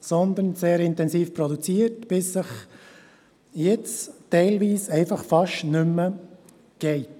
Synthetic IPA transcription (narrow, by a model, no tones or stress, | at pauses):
sɔnd̪ənseːɾɪnt̪ɛnsiːfpɾɔd̪ut͡siəɾtb̥ɪsːəχ | jɛt͡stɛɪlʋiːsɛɪfɑχfɑʃnʏmːə | ɡ̥ɛɪ